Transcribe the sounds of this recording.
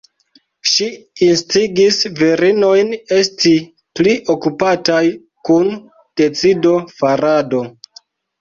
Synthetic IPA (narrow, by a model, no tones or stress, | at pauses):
ʃiinstiɡisviɾino̞jne̞sti | pliʔo̞kupataj | kun | d̥e̞t͡sido̞faɾado̞